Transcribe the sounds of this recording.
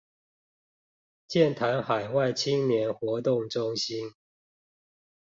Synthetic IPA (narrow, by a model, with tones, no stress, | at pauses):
t͡ɕjɛ˥˨nt̪ʰa˨˦nxa˨˩ɪwa˥˨˩ɪt͡ɕʰi˦ŋnjɛ˨˦nxwɔ˨˥t̪ʊ˥˨ŋʈ͡ʂʊ˦ŋɕi˦n